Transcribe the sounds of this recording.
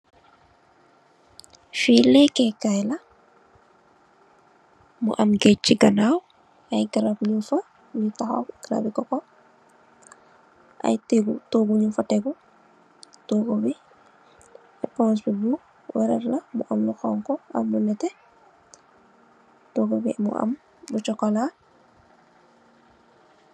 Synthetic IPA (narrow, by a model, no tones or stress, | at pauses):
filɛkekajlɐ | mṵʔɐmɡeciɡɐnaːw | ɐjɡaɾabɲufɐ | nitaxɔ̰ɡ̥aɾa̰bikɔkɔ | ʔɐ̰jteɡutoːɡuɲufɐtɛɡu | toːɡobi | ɛpɔ̃ːs̬bibu | wɛɾɛ̰ɾlɐmṵʔɐmluxɔŋkɔʔɐ̰mːunɛtɛ | toɡobḭmṵʔɐ̰m | but͡ʃɔkɔla